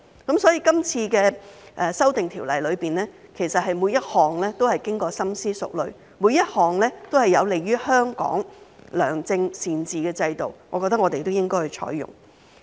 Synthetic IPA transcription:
kɐ˨˦˥msɔː˨˥jiː˧kɐ˥mt͡sʰiː˧kɛː˧ʔɛː˨sɐ˥wt̪ɪ˨ŋt̪ʰiː˨˩wlɐ̰˨˩jlɵ˨˧ɥpiː˨˩nɛː˥kʰe˨˩jsɐ˨t̚hɐ˨jmuː˨˧jɐ˥t̚hɔː˨ŋlɛː˥t̪o˥whɐ˨jkɪ˥ŋkɔː˧sɐ˥msiː˥sʊ̰˨k̚lɵ˨ɥ | mu˨˧jɐ˥t̚hɔː˨ŋlɛː˥t̪o˥whɐ˨jːɐ˨˧wle˨jːyː˥hœː˥ŋkɔ̰ː˨˥ŋlœ̰ː˨˩ŋt͡sɪ˧ŋsiː˨nt͡siː˨kɛː˧t͡sɐ˧jt̪o̰˨wŋɔː˨˧kɔ˧t̪ɐ˥ŋɔː˨˧t̪e˨jt̪o˥wjɪ˥ŋkɔː˥jhɵ˨ɥt͡ʃʰɔ̰ː˨˥jːʊ̰˨˩ŋ

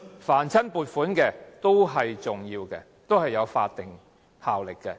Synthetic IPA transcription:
faː˨˩nt͡sʰɐ˥npuː˨˧t̚fuː˨˥nkɛː˧t̪o˥wɦɐ˨jt͡sʊ˨ŋjiː˧wkɛ̰ː˧ | t̪o˥whɐ˨jːɐ˨˧wfa̰ː˧t̚t̪ɪ˨ŋ | haː˨wlɪ˨kːɛ̰ː˧

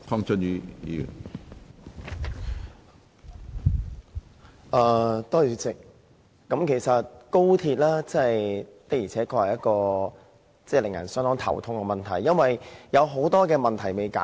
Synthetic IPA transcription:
pʰɔ˥ŋt͡ʃɔ˥njyː˨˧ḭ˨˧jy̰˨˩n | ʔɐː˨˧t̪ɔː˥jyː˨˧t͡sɪ˨k̚ː | ɐ˨˥mkʰe˨˩jsɐ˨t̚ko˥wt̪ʰiː˧t̚laː˥t͡sɐ˥˨jt̪ɐ˥k̚jiː˨˩ɛː˨˥kʰɔː˧hɐ˨˩jɐ˥t̚kɔː˧ | t͡sɛː˥˩lɪ˨˩ŋjɐ̰˨˩nsœː˥ŋt̪ɔː˨˥ŋt̪ʰɐ̰˨˩wt̪ʰʊ˧˥ŋkɛ˧mɐ˨nt̪ʰɐ˨˩jːɐ˥nwɐ˨jjɐ˨˧wɦo˨˥wt̪ɔː˥kɛː˧mɐ˨nt̪ʰɐ˨˩jme˨˧jka̰ː˨˦

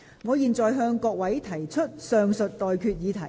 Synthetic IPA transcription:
ŋɔː˨˧jiː˨nt͡sɔː˨jɦœː˧ŋkɔː˧k̚wɐ˨˥jt̪ʰɐ˨˩jt͡ʃʰɵ˥t̚sœː˧ŋsɵ˨t̚t̪ɔː˨jkʰyː˧t̚jiː˨˧t̪ʰɐ˨˩

